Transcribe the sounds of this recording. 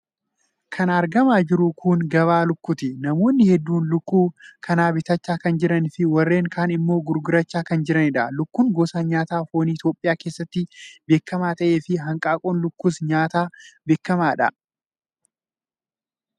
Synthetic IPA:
kʰɐnɐɾɡɐmaːd͡ʒɪɾʊkʰʊŋɡɐβaːlʊkːʊt̪ɪnɐmo̞ːnːɪhɛd̪ːuːnlʊkːuːkʰɐnaːbɪt̪ɐt͡ʃːaːkɐnd͡ʒɪɾɐnfɪwɐrːe̞ːŋkʰaːnɪmːo̞ːɡʊɾɡʊɾɐt͡ʃːaːkɐnd͡ʒɪɾɐnɪᶑɐlʊkːuːŋɡoːsaːɲaːt̪aːfoːnɪt̪jo̞ːpʼːɪjaːke̞ːsːɐt̪ːɪbe̞ːkːɐmaːt̪ɐʔe̞ːfɪɦɐŋkʼaːkʼoːnlʊkːusɲaːt̪aːbe̞ːkːɐmaːᶑɐ̰

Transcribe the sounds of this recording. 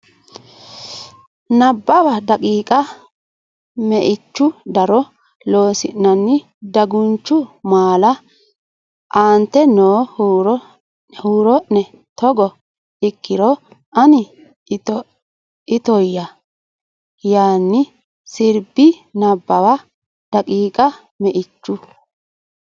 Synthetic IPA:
nɐbːɐwɐd̪ɐkʼiːkʼɐ | mɛʔɪt͡ʃːʊd̪ɐɾɔ | lo̞ːsɪnːɐnːɪ | d̪ɐɡʊnt͡ʃːʊmaːlɐ | ʔaːnt̪ːɛnoːhuɾɔ | huːɾɔʔːɛ | t̪ɔɡɔ | ɪkːɪɾɔ | ʔɐnɪ | tɔ | ɪt̪ɔjːɐ | jaːnːɪ | sɪɾbɪnɐbːɐwa | d̪̥ɐkʼiːkʼɐ | mɛʔɪt͡ʃːʊ

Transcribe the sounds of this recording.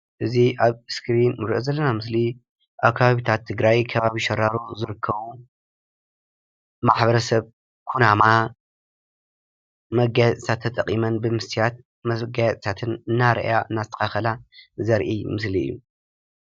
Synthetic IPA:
ʔɨziʔaβskɾinmuɾʔozɐlːɐnamɨsli | ʔaβkʰːaβaβit̪ʰat̪ʰːɨɡɾajkʰɐβaβiʃɐɾːaɾuzɨɾɨkʰːɐβu | maħbɐɾɐsɐβ | kʰunama | mɐɡajtʼsat̪ʰːɐt̪ʼɐqʼːimɐnbɨmɨst̪ʰijat̪̚ | mɐɡajt̪ʼsat̪ʰɨnɨnːaɾɐ̰ʔjaʔɨnːazɨt̪ʰɐ̥xaxɐlazɐɾʔimɨsliɨ̰jːu

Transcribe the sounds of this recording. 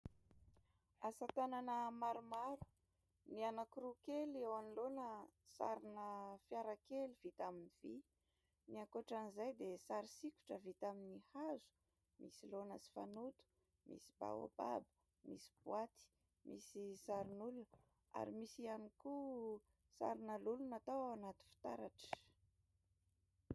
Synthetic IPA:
asat̪ananəmaɾumaɾu̥ | nianakuɾukelewanilonəsa̰ɾinəfjaɾakeliv̥it̪aminiv̥i | niaŋkoʈ͡ʂanizajd̪esaɾisiku̥ʈ͡ʂəvit̪aminihazu̥ | mḭsilonəsi̥fanut̪u̥ | mḭsiba̰wa̰b̥a̰bə̥ | mḭsi̥b̥wat̪i̥ | mʔisisaɾinul | a̰ɾimisianiku | sa̰ɾinəlulunat̪awanat̪u̥fi̥t̪aɾaʈ͡ʂə̥

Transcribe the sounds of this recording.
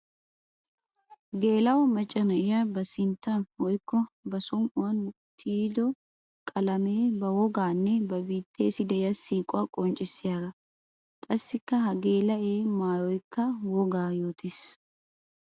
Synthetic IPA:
ɡe̞ːlɐwmɐt͡ʃʼːɐnɐɪjabɐsɪnt̪ːɐnwɔjkːɔbɐsɔmʔʊwɐn | t̪ʰiːd̪ɔ | kʼɐlɐmeːbɐwɔɡaːnːɛbɐbiːt̪ʰːeːsɪd̪ɛjɐsiːkʼʊakʼɔnt͡ʃʼɪsɪjaːɡɐ | k̪ʼɐsːɪkːɐɦɐɡe̞ːlɐʔeːmaːjɔjkʰːɐwɔɡaːjo̞ːt̪ʰeːs

